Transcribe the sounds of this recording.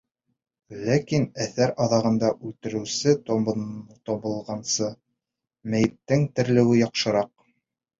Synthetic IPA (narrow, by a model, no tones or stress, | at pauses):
lækinæθæɾɑðɑʁɤ̆nd̪ɑʔʉlt̪ɘ̆ɾɘ̆wsɘ | t̪oβɤ̆lˠʁɑnsɤ | mæjɘ̆p̚t̪ɘŋt̪ɘ̆ɾlɘ̆wɘjɑqʃɤ̆ɾɑq̚